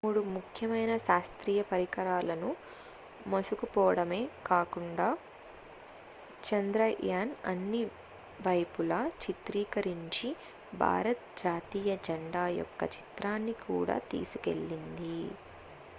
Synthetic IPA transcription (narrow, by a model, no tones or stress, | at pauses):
muːɽumukʰjɐmɐjnɐʃaːst̪ɾiːjɐpɐɾikɐɾaːlɐnu | mosukupɔːɐɽɐme̞ːkaːkuɳɖaː | t͡ʃɐnd̪ɾɐjaːnɐ̰nːi | ʋɐjpulɐːt͡ʃit̪ɾiːkɐɾiɲt͡ʃi | bʱa̰ːɾɐt̪̚d͡ʒaːt̪iːjɐd͡ʒɐɳɖaːjɔ̰kːɐt͡ʃi̥t̪ɾaːnːikṵːɽa̰ːt̪ḭːsukḛɭːind̪i